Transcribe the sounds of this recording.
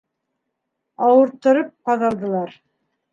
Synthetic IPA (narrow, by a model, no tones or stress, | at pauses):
ɑwɤ̆ɾt̪ːɤ̆ɾɤp̚qɑðɑlˠd̪ɤ̆lˠɑɾ